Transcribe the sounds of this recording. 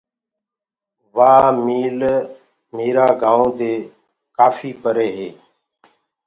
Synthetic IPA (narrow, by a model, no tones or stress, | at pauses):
ʋaːmiːl | meːɾaːɡãːõːd̪eː | kaːfiːpəɾeːɦeː